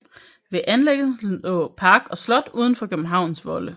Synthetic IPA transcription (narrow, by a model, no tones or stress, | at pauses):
ʋe̝ʔænleɡ̥əɔpʰɑ̈ːɡ̥ɒ̽slɒ̽d̥uːðˠn̩fɒ̽kʰøb̥m̩ɦɑ̈ʊ̰nsʋɒ̽lə